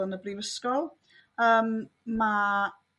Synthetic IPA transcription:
ʊnəbriːvəskɔlˠ | əːm | ma

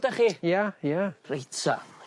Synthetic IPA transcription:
daχijajarejtʰa̰

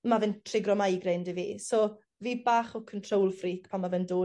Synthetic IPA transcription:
mavɪntʰrɪɡrɔmajɡrɪndivḭːso | viːbaːχɔkʰəntʰrowlˠfriːkpʰamːavɛndoː

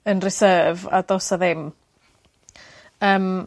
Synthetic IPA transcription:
ənrɪsəːva̰dosaðɪm | əːm

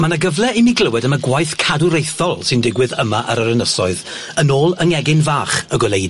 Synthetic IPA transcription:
manaɡəvlˠɛemiɡləwɛdəmaɡwajθkʰaduɾejθɔlˠsɨndɪɡwɨðəmaʔə̰ɾəɾənəsɔɨð | ənoːlˠəŋɛɡɪnvaːχəɡɔlˠejd

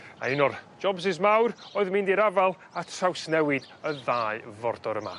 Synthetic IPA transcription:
a̰ɪnɔrd͡ʒɔbsɪzmawɾoːɨðmɪndiɾavalˠ | atʰrawsnɛwɪd̥ | əðaːɨvɔrdɔɾəma̰

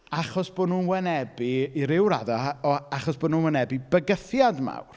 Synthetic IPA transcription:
aχɔsb̥oːdnuːnwɛnɛbiːɾɪwɾa̰daɔaχɔsb̥oːdnuːnwɛnɛbibəɡəθjadma̰wr

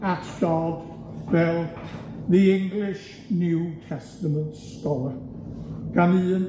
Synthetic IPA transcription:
atʰdɔd | vɛlˠðiɪ̃ŋɡlɪʃ | njuːtʰɛstəmə̃ntstɔə | ɡ̥anɨːn

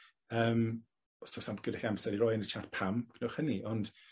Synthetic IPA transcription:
əːm | ɔsosantɡ̥ʊdɛxamsɛɾirɔjənət͡ʃʰatpʰamkʰnoχhəniʔɔnd̥

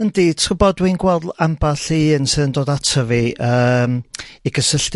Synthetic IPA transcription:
əndi̥ʊbɔdwinɡwɛlˠdambaɬinsɨðəndoːdatʰəviʔəːmiɡəsəɬt

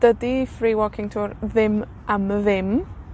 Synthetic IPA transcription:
d̥ədifriːwɔkʰɪŋtʰuːɾðɪm | ʔaməðɪm

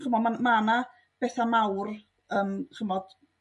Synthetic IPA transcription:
χəmɔdmamana | b̥ɛθamawr | əːmχəmɔd̥

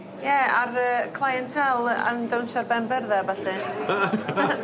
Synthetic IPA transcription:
jɛarəːkʰlˠajɛntʰɛlˠə̰ndawnʃarbɛnbɛrðɛvɛɬɨ

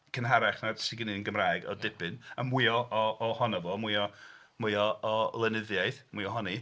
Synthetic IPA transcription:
kʰənɦaɾaχnadsɪɡɪnɨənɡəmraːjɡɔ̰dɪpʰɨnamwɪɔʔɔːhɔnavoːmwɨɔ | mɨjɔːlˠɛnɪðjaɨθmwɨɔɦɔni

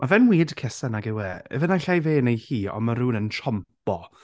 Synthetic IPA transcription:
mʔavɛnwiːdkʰɛsanaɡɛwɛːɛ̰vənaɬajveːnejhiːɔ̰nmaɾuːnəntʰrɔmpɔ

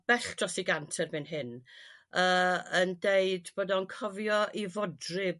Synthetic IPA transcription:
b̥ɛɬd̥rɔsiɡantʰɛrmɪnɦɪn | əːəndeɨdbɔːdɔnkʰɔvjɔʔivɔdrɪ

